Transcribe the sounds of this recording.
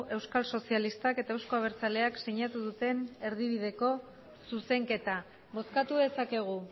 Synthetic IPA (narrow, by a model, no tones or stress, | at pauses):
ʔe̞wskalso̞sialist̪ake̞t̪aewsko̞aβe̞ɾt͡sale̞aksiɲat̪uð̞ut̪e̞ne̞ɾðiβ̞ið̞e̞ko̞ | suse̞ŋke̞t̪a | bo̞skat̪uesake̞ɣ̞u